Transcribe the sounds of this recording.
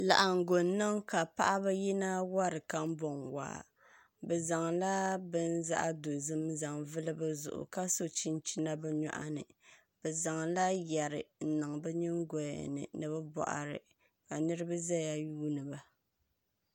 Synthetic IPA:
la̰˨ʔa˨ŋ˨ɡo˨n˦nɨ˦ŋka˨pa˦ʔa˦ba˦ji˦na˦wa˦ɾɨ˨ka˦m˦bɔ˨ŋwa̰ː˨ | bɛ˨za˨ŋla˦bɨ˦nza̰˦ʔa˦do˨zɨ˦mza˨ŋvɨ˦lɨ˦bɨ˦zʊ̰˨ʔʊ̰˨ka˦so˦t͡ʃi˦n˦t͡ʃi˦na˦bɛ˦ɲɔ̰˦ʔa̰˦nɨ̰˨ | b̥ɛ˨za˨ŋla˦jɛ˨ɾɨ˨n̩˨nɨ˨ŋ˨bɛ˦ɲɨ˦ŋɡɔ˨ja̰˨nɨ̰˨nɨ˨bɛ˦bɔ̰˨ʔa̰˨ɾɨ̰˨ | ka˨nɨ˦ɾɨ˦ba˦za˦ja˦juː˦nɨ˨ba˦

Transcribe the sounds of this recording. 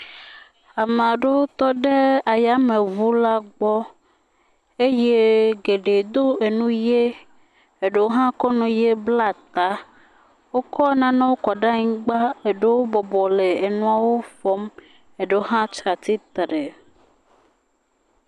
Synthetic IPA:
a˨mẽ˨a˨ɖe˦wo˦t̪ɔ˦ɖe˦a˨ja˦mẽ˨vu˦la˦ɡ͡bɔ˦ | e˦je˦ɡe˨ɖe˨d̪o˦e˨nũ˦je˦ | e˨ɖe˦wo˦ɦã˦kɔ˦nũ˨je˦bla˦t̪a˦ | wo˦kʰɔ˦nã˦nã˦wo˦kɔ˨ɖa˦ɲĩ˦ɡ͡ba˦e˨ɖe˦wo˦bɔ˨bɔ˨le˨e˨nũ˨a˨wo˦fɔ˦m | e˨ɖe˦wo˦ɦã˦t͡ʃɾa˨t̪i˦t̪ɾe˨

